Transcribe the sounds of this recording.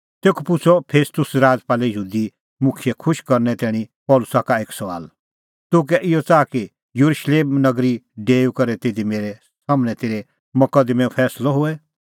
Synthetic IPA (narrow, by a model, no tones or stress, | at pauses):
t̪eːkʰpʊt͡sʰɔpʰeːst̪ʊsɾaːd͡zpaːlɛjəɦuːd̪i | mʊkʰjɛkʰʊʃkɐɾnɛt̪ɛːɽ̃ĩpɔːlʊsakaeːksɐʋa̰ːl | t̪ʊk̬ɛʔɪjɔt͡saːki | jɐɾuʃleːmnɐɡɾiɖeːukɐɾɛt̪eːd̪imeːɾɛ | saːmñɛt̪eːɾe | mɐkəd̪mɛ̃pʰɛːslɔɦʊɛ